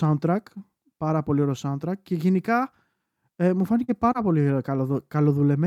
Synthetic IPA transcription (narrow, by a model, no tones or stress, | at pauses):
ɐnt̪ɾɐk | pɐɾɐpo̞lio̞ɾeosɐnt̪ɾɐkce̞ʝe̞nikɐ | emufɐnice̞pɐɾɐpo̞likɐkɐlo̞ðule̞me